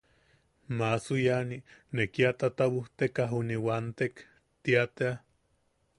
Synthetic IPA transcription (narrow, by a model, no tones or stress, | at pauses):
masujaninekiat̪at̪awuht̪ekaɦuniwant̪ek | t̪iat̪ea